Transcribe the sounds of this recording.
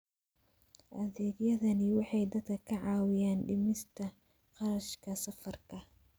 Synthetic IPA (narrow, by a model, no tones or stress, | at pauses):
ʔɐðɛːɡjɐðɐnɪwɑħɑjd̪ɐd̪kʰɐkʰɐʕɑːwɪjaːnɖɪmɪst̪ʰɐ | qɑɾɐʃkʰɐsɐfɐrkʰɐ